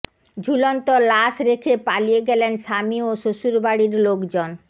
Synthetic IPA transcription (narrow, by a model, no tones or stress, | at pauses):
d͡ʑʱulɔnt̪olaʃɾekʰepalijeɡɛlenʃamioʃoʃuɾbaɽiɾlokd͡ʑon